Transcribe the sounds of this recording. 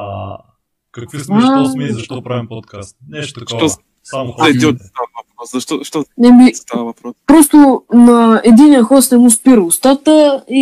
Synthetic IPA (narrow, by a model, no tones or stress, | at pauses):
kat̪ɔaɔt̪kast̪ʃt̪ɔ | d̪iot̪avɐpɾɔszɐʃt̪ɔʃt̪ɔnɛmit̪avɐpɾɔpɾɔst̪ʊnɐɛd̪inijəxɔsnɛmuspiɾəʊst̪at̪əi